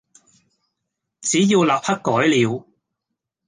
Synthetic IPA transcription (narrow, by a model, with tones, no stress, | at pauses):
t͡siː˨˥jiː˧wlaː˨p̚hɐ˥kkːɔː˨˥jliː˨˧w